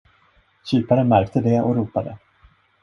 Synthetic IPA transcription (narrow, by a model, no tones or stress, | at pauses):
ɕyːpaɾənmæɾk̚t̪əd̪ɛɔ̰ɾuːpad̪ə